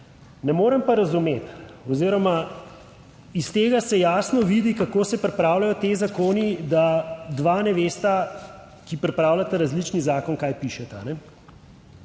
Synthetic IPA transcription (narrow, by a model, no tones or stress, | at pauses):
nɛmoːɾəmpaɾɐzumet̪ɔziːɾɔma | ist̪eːɡasɛjaːsnɔʋid̪ikakoːsɛpɾɛpɾawlajɔt̪ezakoːnid̪ad̪ʋaːnɛʋeːst̪a | kipɾɛpɾaːwlat̪aɾazlit͡ʃnizaːkɔnkajpiʃɛt̪aanɛ